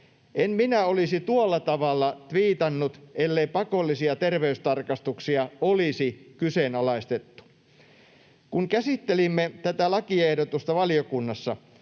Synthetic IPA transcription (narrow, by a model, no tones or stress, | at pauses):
ʔemminæolisit̪uɑlːɑt̪ɑʋɑlːɑt̪ʋiːt̪ɑnːut̪elːeipɑkolːisiɑt̪erʋeyst̪ɑrkɑst̪uksiɑolisikyseːnɑlɑist̪et̪ːu̥ | kuŋkæsit̪ːelimːet̪æt̪ælɑkiɑehdot̪ust̪ɑʋɑlijokunːɑsːɑ